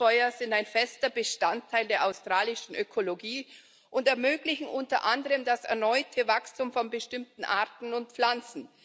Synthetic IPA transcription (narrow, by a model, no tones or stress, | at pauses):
ɔʏɐzɪntaɪnfɛstɐbəʃtantʰːaɪldeːɐʔaʊstʁ̥aːlɪʃn̩ʔøkʰoloɡiː | ʔʊntɛɐmøːklɪçn̩ʔʊntɐʔandəʁəmdasɛ̰ɐnɔʏtʰəvakstumfɔnbəʃtɪmtn̩ʔaɐtn̩ʊnt̚p͡flant͡sn̩